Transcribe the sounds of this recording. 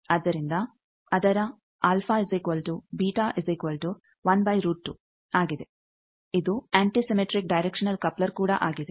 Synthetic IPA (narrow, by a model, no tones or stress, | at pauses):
ɐd̪ːɐɾind̪ɐ | ɐd̪ɐɾɐ | aːlfʰaːezekʋɐlʈubiːʈaːʔezekʋɐlʈu | ʋɐnbɐjɾuːʈːu | aːɡid̪e | id̪uaːɳʈisemeʈɾik̚ɖɐjɾekʂɐnɐlkɐplɐɾkuːɽɐʔaːɡid̪e